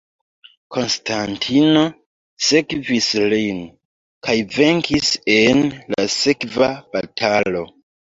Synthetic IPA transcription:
kʰo̞nstʰantʰino̞ | se̞kvislin | kʰajve̞ŋkʰisenla̰se̞kvab̥atʰalo̞

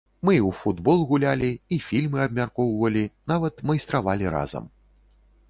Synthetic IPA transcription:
mɨwfud̪bɔlˠɣulʲalʲiːfʲilʲmɨɐb̚mʲarkɔwvɐlʲinavɐt̪majst̪ɾavalʲiɾa̰zɐ̰m

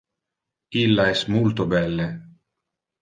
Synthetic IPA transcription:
ilːaɛsmult̪obɛlːe

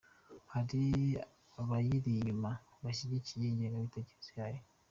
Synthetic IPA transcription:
haɾi | aβajiɾima | βaʃidicijeɲaɡaβiteɟe̥sjaje

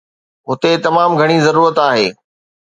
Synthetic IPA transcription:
ɦʊt̪et̪ɐmaːmɡʱɐɽ̃izɐɾuːɾət̪aːɦeː

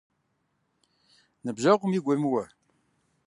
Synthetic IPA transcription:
nəbʒaʁəmiɡʷæmwæ

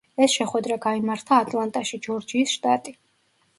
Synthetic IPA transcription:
ɛsʃɛχwɛd̪ɾaɡaimaɾt̪ʰaːt̪ʼlˠant̪ʼaʃid͡ʒɔɾd͡ʒiːsʃt̪ʼat̪ʼi

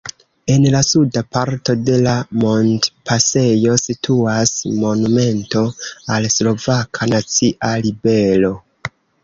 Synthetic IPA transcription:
e̞nlasudapaɾto̞de̞lamo̞ndpase̞jo̞sitʰuasmo̞nume̞nto̞alslo̞vakʰanat͡siʔalibe̞lo̞

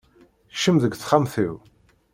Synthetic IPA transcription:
ʃəmðəɡʷθχamθiw

